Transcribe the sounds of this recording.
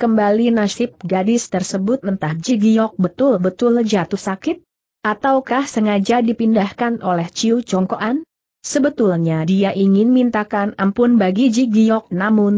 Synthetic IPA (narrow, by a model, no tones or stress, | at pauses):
kəmbalinasɪp̚ɡadɪst̪ərsəbʊt̪̚mənt̪ahd͡ʒiɡijɔk̚bət̪ʊlbət̪ʊld͡ʒat̪uhsakɪt̪̚ | ʔat̪awkahsəŋad͡ʒadipindahkanʔolɛht͡ʃiut͡ʃɔŋkoʔan | səbət̪ulɲadiaʔiŋɪnmint̪akanampʊnbaɡid͡ʒiɡijɔk̚namʊn